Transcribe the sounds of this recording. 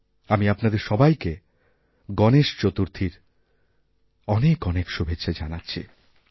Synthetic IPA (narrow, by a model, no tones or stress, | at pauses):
amiapnad̪eɾʃɔbajke | ɡɔneʃt͡ɕot̪uɾt̪ʰiɾ | ɔnekɔnekʃubʱetːɕʰad͡ʑanatːɕʰḭ